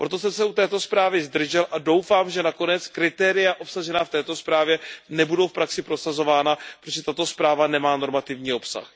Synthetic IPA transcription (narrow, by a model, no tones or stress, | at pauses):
pɾo̞t̪o̞sɛmsɛut̪ɛːt̪o̞spɾaːvɪzd̪r̩ʒɛlʔado̞wfaːmʒɛnako̞nɛt͡skɾɪt̪ɛːɾɪjaʔo̞psaʒɛnaːft̪ɛːt̪o̞spɾaːvjɛnɛbudowfpɾaksɪpɾo̞sazo̞vaːnapɾoʒɛt̪at̪o̞spɾaːvanɛmaːno̞ɾmat̪ɪvɲiːo̞psa̰x